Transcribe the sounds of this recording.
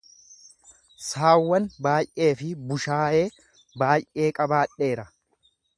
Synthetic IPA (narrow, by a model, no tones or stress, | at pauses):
saːwːɐnbaːjʔe̞ːfɪbʊʃaːʔe̞ː | baːjʔʔe̞ːkʼɐbaːᶑːe̞ːɾɐ